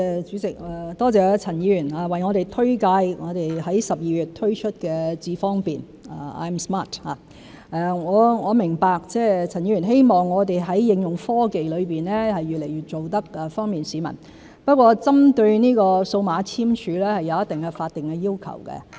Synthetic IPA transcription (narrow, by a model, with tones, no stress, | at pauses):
t͡ʃy˨˥t͡sɪ˨k̚ɛ˨t̪ɔː˥t͡sɛː˧t͡sʰɐ˨˩njiː˨˧˥jyː˨˩naː˧wɐ˨˩jŋɔ˨˧t̪e˨˩jt̪ʰɵ˥ɥkaː˧jŋɔː˨˧t̪e˨jɦɐ˨˥jsɐ˨p̚jiː˨˧jyː˨t̪̚ʰːɵ˥ɥt͡ʃʰɵ˥t̚kɛː˧t͡siː˧fɔː˥ŋpiː˨n | a˨a̰ː˧jmsma˥˩tha̰ː˨˧ | ʔɛ˧ŋɔː˨˧ŋɔː˨˧mɪ˨˩ŋpaː˧k̚t͡sɛː˥˩t͡sʰɐ˨˩nji˨˧ɥyː˨˩nɦe˥jmɔː˨ŋːɔː˨˧t̪e˨jɦɐ˨˥jːɪ˧ŋjʊ˨ŋfɔː˥ke˨jlɵ˨˧ɥpiː˨nlɛː˥hɐ˨jːyː˨t̚le˨˩jyː˨˩t̚t͡ʃo˨wt̪ɐ˥k̚ɛ˨fɔː˥ŋmiː˨nsiː˨˥mɐ̰˨˩n | pɐ˥t̚kʷɔː˧t͡sɐ˥mt̪ɵ˧ɥniː˥kɔː˧so˧wmaː˨˧t͡sʰiː˥mt͡ʃʰyː˨˧lɛː˥hɐ˨jːɐ˧wjɐ˥t̚t̪ɪ˨ŋkɛ˧faː˧t̚t̪ɪ˨ŋkɛ˧jiː˥wkʰɐ̰˨˩wkɛ̰˧